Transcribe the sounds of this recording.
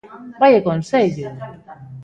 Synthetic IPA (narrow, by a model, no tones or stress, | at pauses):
bajekonseʎu